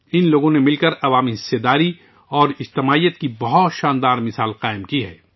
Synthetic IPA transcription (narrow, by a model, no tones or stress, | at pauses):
ɪnloːɡõnemɪlkɐɾɐʋaːmiɦɪsːed̪aːɾi | ɔːɾɪd͡ʒt̪ɪmaːijət̪̚kibɐɦɔt̪ʃãːnd̪aːɾmɪsaːlqaːɪmkiɦɛ̰ː